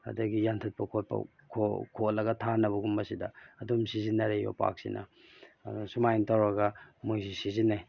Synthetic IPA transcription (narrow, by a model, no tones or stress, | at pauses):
ɐ̰dɐɡijantʰɐt̚pɐkʰot̚pɐ̰ | kʰokʰolːɐɡɐtʰanɐβɐɡumbɐsidɐːdumsizinːɐɾejo̰pa̰k̚sḭnʔɐ̰ | sumajntawɾɐɡɐmujzisizinːaj